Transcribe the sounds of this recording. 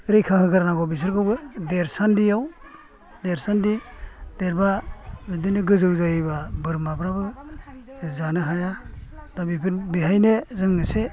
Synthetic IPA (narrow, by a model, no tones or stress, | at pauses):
ɾɯjkʰakɯɡɯɾanaɡɔbis̬ɯɾɡawbɯdeɾsandijaw | deɾsandid̥eɾbabidɯjnɯɡɯzɯwzajbabɯɾmabɾabɯ | zanɯɦajad̥abipʰɯnbiɦajnezɯŋːɯse